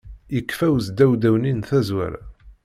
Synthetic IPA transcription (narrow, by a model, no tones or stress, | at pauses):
jəkːfæwzd̪æwd̪æwninθæzwæ̰ɾ̰